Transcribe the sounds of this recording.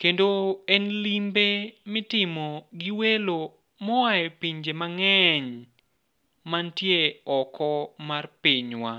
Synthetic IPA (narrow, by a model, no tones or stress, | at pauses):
kendoɛnlimbemɛtɪmɔɡiwelo | mɔwajɔpiɲd͡ʒemaŋɛɲ | mantjeɔkʰɔmarpiɲwa̰